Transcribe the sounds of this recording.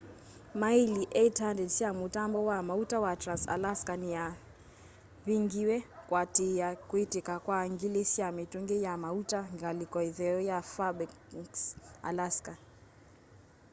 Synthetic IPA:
mailiʔɛitandɛdsiamutambɔwamautawatɾansa̰laskania | βiŋɡiwɛkwatijakwitikakwaŋɡilisiamituŋɡɛjamautaŋɡalikɔiðɛɔjafabɛ | sa̰laska

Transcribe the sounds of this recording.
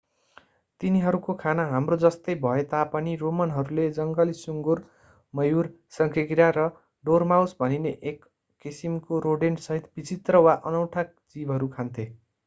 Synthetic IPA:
t̪iniɦʌɾukokʰanaɦamrod͡zʌst̪ʌjbʱʌet̪apʌniromʌnɦʌɾuled͡zʌŋɡʌlisuŋɡur | mʌjur | sʌŋkʰeɡɾjaɾʌ | ɖormawsbʱʌnineʔekː | isimkoɾoɖensʌɦit̪bit͡sit̪rʌwaʔʌnʌwʈʰak̚ | d͡zibʱɦʌɾukʰant̪ʰe

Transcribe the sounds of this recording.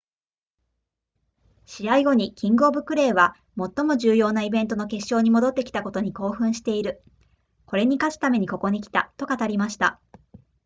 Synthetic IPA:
ɕiaiɡo̞ɲ̟ikʲʰĩŋɡo̞ːbɯ̟kːɯ̟ɾe̞ːβa | mo̞t̪ːo̞mo̞ʑɨːjo̞ːnaibẽ̞nt̪o̞no̞ke̞ɕːo̞ːɲ̟imo̞d̪o̞t̪ːe̞kʲi̥t̪ako̞t̪oɲ̟iko̞ːɸɯ̟̃ɰ̃ɕi̥t̪e̞iɾɯ̟ | ko̞ɾe̞ɲ̟ikat͡ɕɨ̥t̪ame̞ɲ̟iko̞ko̞ɲ̟ikʲi̥t̪a̰t̪o̞kat̪aɾʲimaɕi̥t̪a

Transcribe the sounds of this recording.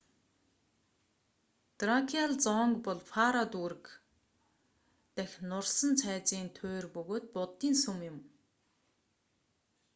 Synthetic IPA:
t̪rakʰiaɮt͡sɔːŋkpɔɮfaɾɔt̪uːɾɘ̆k | t̪æxʲnʊrsə̆nt͡sʰæːt͡siːnt̪ʰoːrpɵɣoːt̪̚pʊt̪ːiːnsumjʊm

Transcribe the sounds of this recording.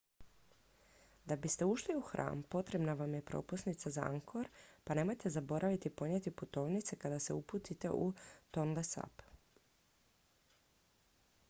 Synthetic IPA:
d̪abist̪e̞uʃliuxɾʔa̰ːmpo̞t̪ɾe̞bnaʋamje̞pɾo̞̰pusnit̪sazaa̰ŋkʰo̞ɾpane̞mo̞jt̪e̞zabo̞ɾʔaʋit̪ipo̞ɲet̪iput̪o̞ːʋnit̪se̞kad̪ase̞uput̪it̪e̞̰ʔut̪o̞nlesa̰p

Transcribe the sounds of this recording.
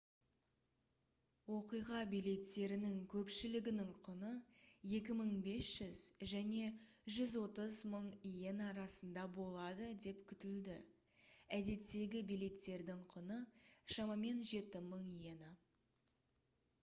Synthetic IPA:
wo̞qijʁɑbijle̞t̪ːe̞ɾɪnɪŋkʲʰɵpʃɪlɪɡʲɪnɪŋqʰʊnə | je̞kʲɪməɴbe̞sʒ̥ʏz̥ʒæne̞ | ʒʏzwo̞t̪əzməɴjenɑɾɑsənd̪ɑbo̞lˠɑd̪əd̪e̞pkʲʰʏt̪ɪld̪ɪ | æd̪e̞t̪ːe̞ɡʲɪbijle̞t̪ːe̞ɾd̪ɪɴqʰʊnəʃɑmɑme̞nʒe̞t̪ɪməɴijenə

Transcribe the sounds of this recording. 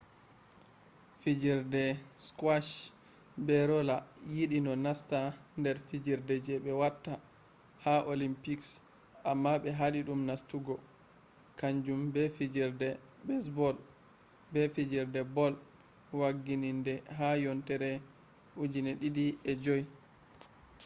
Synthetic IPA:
fid͡ʒiɾdɛskwaʃ | bɛɾɔlajiɗinɔnastandɛɾfid͡ʒiɾdɛd͡ʒɛɓɛwatːa | haʔolimpiks | ʔamːaɓɛɦaɗiɗumnastuɡɔ | kaɲd͡ʒumbɛfid͡ʒiɾdɛ | bɛs̬bɔl | bɛfid͡ʒiɾdɛbɔl | waɡːinindɛɦajɔntɛɾɛ | ʔud͡ʒinɛɗiɗiɛd͡ʒoj

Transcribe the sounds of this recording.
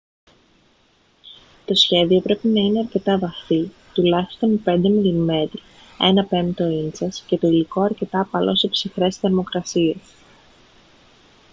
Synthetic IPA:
t̪o̞sçe̞ðio̞pɾe̞pinɐineɐɾce̞t̪ɐvɐθi | t̪ulɐçi̥st̪o̞npe̞nd̪e̞milime̞ɾ | e̞nɐpe̞nt̪o̞int͡sɐsce̞t̪o̞iliko̞ɐɾce̞t̪ɐːpɐlo̞̰se̞psixɾe̞sθeɾmo̞kɾɐsie̞s

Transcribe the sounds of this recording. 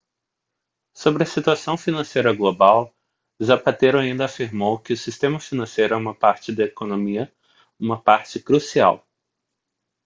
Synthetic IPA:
sobɾɪɐsit̪uasɐ̃w̃finɐ̃sejɾɐɡlobaw | zapat̪eɾʊaĩnd̪ɐafiɾmowkɪʊsist̪ẽmɐfinɐ̃sejɾʊɛũmɐpaɾt͡ʃɪd̪ɐekonõmiɐ | ũmɐpaɾt͡ʃɪkɾusia̰w

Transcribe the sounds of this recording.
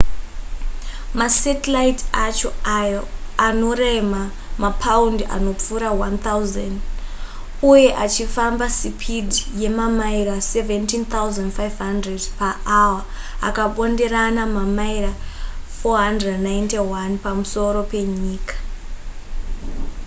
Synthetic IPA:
masetilaitat͡ʃojano̞rema | mapʰaunda̰no̞p͡fuɾawant̪auzand | uje̞ʔat͡ʃifambasipʰidije̞mamairaseventint̪awuzandfajvɦandredpaʔawa | a̰kaɓo̞nde̞ɾanamamaiɾafoɦandrednajntewanpamuso̞ɾo̞pe̞ɲiːkḁ

